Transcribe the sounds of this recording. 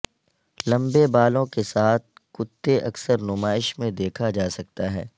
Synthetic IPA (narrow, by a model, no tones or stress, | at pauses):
lɐ̃mbebaːlõkesaːt̪̚kʊt̪ːeʔɐksəɾnʊmaːɪʃmẽd̪eːkʰad͡ʒaːsɐk̚t̪aɦɛː